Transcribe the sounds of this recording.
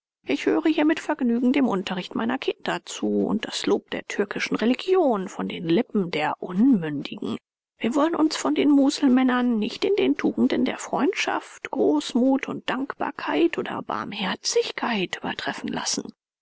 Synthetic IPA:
ʔɪçhøːʁəhiːɐmɪtfɛɐɡnyːɡŋ̩deːmʔʊntɐʁ̞ɪçtmʔa̰ɪnɐkʰɪndɐt͡suːʊ̰nt̚d̥asloːp̚d̥ḛːɐtʰʏɐkɪʃn̩ʁeliɡjoːnfɔndeːnlɪpm̩deːɐʔʊnmʏndɪɡŋ̩ | viːɐvɔlənʔʊnsfɔndeːnmuːzl̩mɛnɐnːɪçtɪndeːntʰuːɡŋ̩dəndḛːɐfʁ̥ɔʏntʃa̰ftɡ̥ʁoːsmuːtʰʊnt̚d̥aŋkb̥a̰ːɐkʰaɪtʔoːdɐ̰ba̰ɐmhɛɐt͡sɪçkʰaɪtyːbɐ̰tʁ̥ɛfn̩la̰sn̩

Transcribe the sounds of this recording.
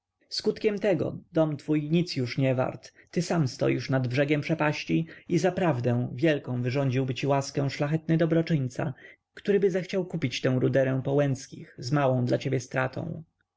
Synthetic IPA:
skut̪kʲɛmt̪ɛɡɔ̰d̪̥ɔmt̪fujɲit̪sjuʂɲɛva̰ɾt̪ːɘsamst̪ɔ̰jiʂnad̪bʐɛɡʲjɛmpʂɛpaɕt͡ɕiizapɾavd̪ɛ̃w̃vʲjɛlkɔ̃w̃vɘʐɔɲd͡ʑiwbɘt͡ɕiwaskɛ̃w̃ʂlaxɛt̪̚nɘd̪ɔbɾɔt͡ʂɘɲt̪sa̰ | kt̪uɾɘbɘzaxt͡ɕawkupʲit͡ɕt̪ɛ̃w̃ɾud̪ɛɾɛ̃w̃pɔwɛnskʲixzmawɔ̃w̃d̪lat͡ɕebʲjɛst̪ɾat̪ʰɔ̰̃w̃

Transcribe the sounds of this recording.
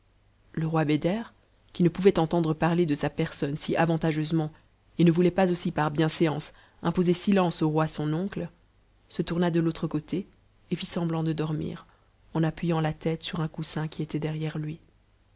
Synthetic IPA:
ləʁwabed̪ɛʁ | kʲinəpuvɛt̪ɑ̃t̪ɑ̃d̪ʁəpaʁled̪əsapɛʁsɔnsiʔavɑ̃t̪aʒøzmɑ̃ | enəvulɛpazosipaʁbjɛ̃seɑ̃s | ɛ̃pozesilɑ̃soʁwasɔ̃nɔ̃klə | sət̪uʁnad̪əlot̪χəkot̪ʰeː | fisɑ̃blɑ̃d̪əd̪ɔʁmḭːʁ | ɑ̃napɥijɑ̃lat̪ɛt̪syʁɛ̃kusɛ̃kʲiet̪ɛd̪ɛʁjɛʁlɥi

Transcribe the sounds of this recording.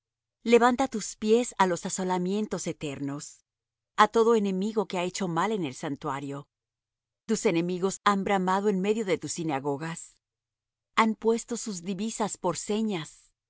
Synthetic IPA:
le̞βant̪at̪uspje̞salo̞saso̞lamje̞nt̪o̞se̞t̪e̞ɾno̞s | at̪o̞ðo̞e̞ne̞miɣo̞keae̞t͡ʃo̞male̞ne̞lsant̪waɾjo̞ | t̪use̞ne̞miɣo̞sambɾamaðo̞e̞nme̞ðjo̞ðe̞t̪usːinaɣo̞ɣas | ampwe̞st̪o̞suzðiβisaspo̞ɾse̞ɲas

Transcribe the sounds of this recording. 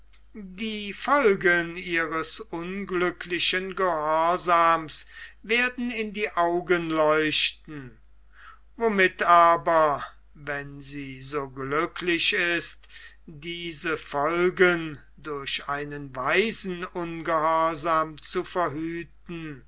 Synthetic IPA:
diːfɔlɡəniːʁəsʔʊnɡlʏkʰlɪʃənɡəhɔɐzaːmsveːɐdn̩ɪndiːʔaʊɡənlɔʏʃtn̩ | vomɪtaːbɐ | vɛnziːzoːɡlʏkʰlɪʃɪst | d̥iːzəfɔlɡən | dʊɐʃaɪnənvaɪzn̩ʊnɡəhɔɐzaːmt͡sufɛɐɦyːt̚n̩

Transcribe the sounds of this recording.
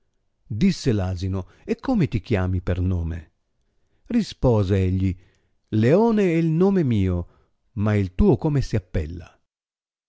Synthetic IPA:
d̪isːelaːzino | ekʰːomet̪ikjaːmipernoːmḛ | rispɔːzeɛʎːi | leoːneɛilnoːmemiːo | mailt̪uːokomesiapːɛ̰lːa̰

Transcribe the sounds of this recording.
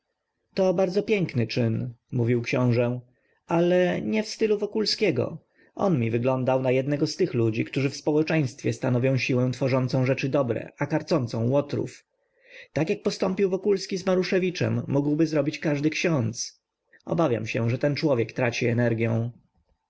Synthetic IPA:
t̪ɔbaɾd̪zɔpʲjɛŋknɘt͡ʂɘnmuvʲiwkɕɔ̃w̃ʐɛ | alɛɲɛfst̪ɘluvɔkulskʲɛɡɔ̰ | ʔɔ̰nmʲivɘɡlɔnd̪awnajɛd̪nɛɡɔst̪ɘxlud͡ʑikt̪uʐɘfspɔwɛt͡ʂɛj̃st̪fʲjɛst̪anɔvʲjɔ̃w̃ɕiwɛ̃w̃t̪fɔʐɔnt̪sɔ̃w̃ʐɛt͡ʂɘd̪ɔbɾɛ̰akaɾt̪sɔnt̪sɔ̃w̃wɔt̪ɾṵf | t̪akjak̚pɔst̪ɔmpʲiwvɔkulskʲizmaɾuʂɛvʲit͡ʂɛ̰mːuɡwbɘzɾɔbʲit͡ɕkaʐd̪ɘkɕɔ̃nt̪s | ʔɔ̰bavʲja̰mɕɛ̰ʐɛt̪ɛnt͡ʂwɔvʲjɛkt̪ɾat͡ɕiɛnɛɾɡʲjɛ̰̃w̃

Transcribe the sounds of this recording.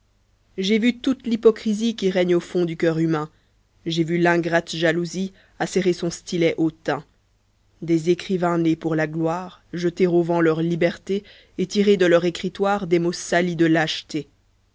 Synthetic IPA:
ʒevyt̪ut̪lipɔkχizikʲiʁɛɲofɔ̃d̪ykʲœʁymɛ̃ | ʒevylɛ̃ɡʁat̪ʒaluzi | asɛʁesɔ̃st̪ilɛʔot̪ɛ̃ | d̪ezekχivɛ̃nepuʁlaɡlwaːʁʒət̪eʁovɑ̃lœʁlibɛʁt̪e | et̪iʁed̪əlœʁekχit̪waːʁd̪emosalid̪əlaʃt̪e

